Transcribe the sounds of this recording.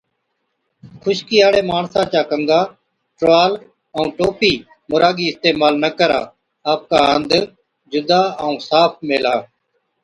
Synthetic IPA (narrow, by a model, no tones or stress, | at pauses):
kʰʊʃkiːaːɽeːmaːɳsãːt͡ʃaːkəŋɡaː | ʈʋaːl | əũːʈoːpiː | mʊɾaːɡiːɪst̪eːmaːlnəkəɾa̰ː | aːp̚kaːənd̪ | d͡ʒʊd̪aːəũːsaːpʰmeːlaː